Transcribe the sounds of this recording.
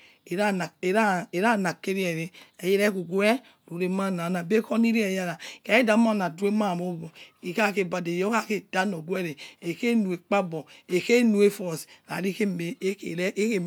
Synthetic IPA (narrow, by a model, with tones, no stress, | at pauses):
e˨ɾa˦na˨e˨ɾa˦e˨ɾa˦˨na˨ke˦ɾi˦ɛ˨ɾe˦e˨je˦ɾɛ˦ku˨ɡu˦ɛ˦ | ɾu˨ɾe˨ma˦˨na˨na˨be˦ko˦ni˦ɾi˦e˨ja˦ɾa˨ke˨˦e˦da˨˦ma˦˨na˨du˦e˦ma˦˨mo˦bɔ˨i˨ka˦˨ke˦˨ba˨de˨jo˦ka˦ke˦d̥a˦no˨ɡwɛ˦ɾe˨e˨ke˦nu˨e˨k͡pa˦bɔ˨e˨ke˦nu˨˦e˦fɔ˨sɾa̰˨ɾi˦ke˦˨˦e˦ke˦